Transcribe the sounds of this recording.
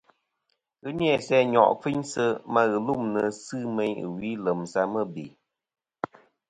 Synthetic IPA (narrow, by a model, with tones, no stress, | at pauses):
ɣɨ˦njɛ˦˨sɛ˦ɲɔ̰˨ʔfi˦ɲsɨ˧ma˦ɣɨ˨lu˦˨mnɨ˨sɨː˦mɛ˧˦ɲɨ̰˨wi˨˦lə˨msa˧mə˦bḭ˨